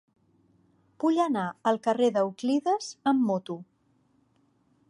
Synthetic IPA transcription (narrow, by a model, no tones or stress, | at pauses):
puʎənaəlˠkəreðəukliðəz̥əmːot̪u